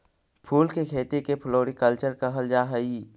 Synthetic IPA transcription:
pʰuːlkekʰeːt̪ekepʰloːɾikəlt͡ʃəɾkaɦəld͡ʒaːɦəi

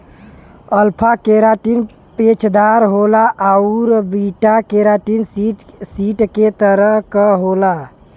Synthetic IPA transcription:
əlpʰakeɾaʈin | pet͡ʃʰd̪aɾɦolaʔauɾbiʈakeɾaʈinsiʈket̪əɾəɦkəɦola

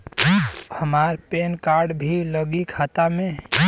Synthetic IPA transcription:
həmaɾpenkaːɾɖbʱiləɡikʰat̪amẽ

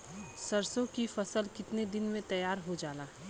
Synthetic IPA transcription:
səɾsõkifɐsəlkɪt̪ned̪ɪnmẽt̪ɐjaːɾɦod͡ʒaːlaː

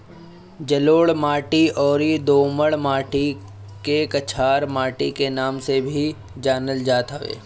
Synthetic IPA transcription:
d͡ʒɐloːɭmaːʈiɔːɾid̪oːməɭmaːʈi | kekɐt͡ʃʰaːɾmaːʈikenaːmsebʱi | d͡ʒaːnəld͡ʒaːt̪ɦəʋḛː

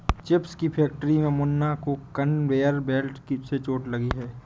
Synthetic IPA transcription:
t͡ʃɪpskipʰɛːk̚ʈəɾimẽmʊnːakokənʋeːəɾbɛːlʈkiset͡ʃoːʈlɐɡiɦɛː

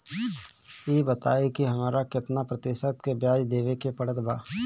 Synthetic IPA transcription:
eːbət̪a̰ːekiɦɐmaːɾakɪt̪napɾət̪ɪːʃət̪kebjaːd͡ʒd̪eːʋekepəɽət̪baː

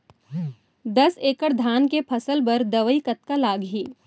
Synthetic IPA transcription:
d̪ɐseːkəɽd̪ʱaːnkepʰɐsəlbɐɾd̪ɐʋəikɐt̪̚kalaːɡɦiː

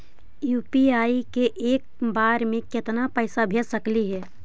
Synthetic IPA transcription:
juːpiaːikeʔeːk̚baːɾmẽkɪt̪napəɪsabʱeːsəkliɦɛː

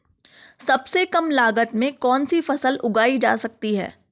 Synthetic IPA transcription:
sɐbsekɐmlaːɡət̪mẽkɔːnsifɐsəlʊɡaːid͡ʒa̰ːsɐk̚t̪iɦɛ̰ː

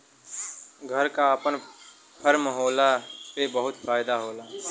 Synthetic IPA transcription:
ɡʱəɾkaəpən | pʰəɾməɦoːlapebəɦʊt̪faːɪd̪aɦoːlaː

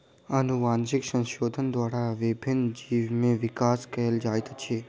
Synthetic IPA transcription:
ənuʋaːnʃɪksə̃ŋʃoːd̪ʱənd̪ʋaːɾaʋɪbʱɪnd͡ʒiːʋmẽʋɪkaːskəɦəld͡ʒaːjt̪t͡ʃʰeː

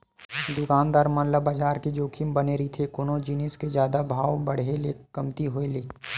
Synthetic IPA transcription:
d̪ʊkaːnd̪aːɾmãnlabaːd͡ʒaːɾked͡ʒoːkʰimbɐneːɾit̪ʰekʊnõd͡ʒinisked͡ʒjaːd̪abʱaːwbɐɽ̤elekɐmt̪iɦoeleː

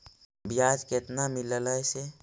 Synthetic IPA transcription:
bijad͡ʒket̪namilələjse

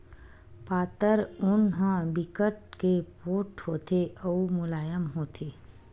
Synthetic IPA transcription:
paːt̪əɾʊnɦə̃bɪkəʈ̚kepoːʈhoːt̪ʰeʔɐumʊlaːjəmɦoːt̪ʰeː

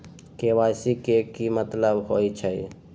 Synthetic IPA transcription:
kewasikekimət̪ləbɦojt͡ʃʰəj

